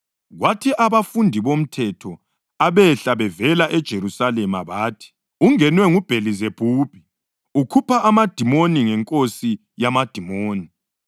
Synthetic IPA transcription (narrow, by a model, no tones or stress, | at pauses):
ɣwatʰiʔaβafundʱiβom̩tʰɛtʰɔ | aβɛɬaβɛvɛlaʔɛd̥ʒ̥ʱeɾusalɛmaβaːtʰi̥ | uŋɛnwɛŋub̥ʱelizeb̥ʱuːb̥ʱi | ukʰupʰaʔamad̥ʱimoniŋɛŋkʼosi | jamad̥ʱimoːni